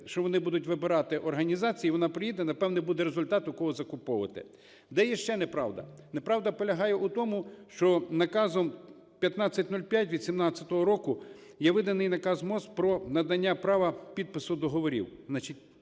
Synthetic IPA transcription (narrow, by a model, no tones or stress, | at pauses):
ʃt͡ʃɔʋɔnɪbud̪ʊtʲʋɪbɪɾɑt̪ɪʔɔrɦɐnʲizɑt͡sʲijiʋɔnɑpɾɪjid̪ɛnɐpɛwnɪbud̪ɛɾezʊlʲt̪ɑt̪jɐkɔɦɔzɐkʊpɔʋɐt̪ɪ̰ | d̪ɛjɛʃt͡ʃɛnɛpɾɑwd̪ɐ̰nepɾɑwd̪ɐpɔlʲɐɦɑjɛʔut̪ɔmʊʃt͡ʃɔnɐkɑzɔm | pʲjɐt̪nɑt͡sʲːɐtʲnulʲpʲjatʲʋʲid̪̥sʲimnɑt͡sʲːɐt̪ɔɦɔɾɔkʊjɛʋɪd̪ɐnɪjnɐkɑzmɔspɾɔnɐd̪ɐnʲːapɾɑʋɐpʲid̪̚pɪsʊd̪ɔɦɔʋɔɾʲḭwznɑt͡ʃitʲ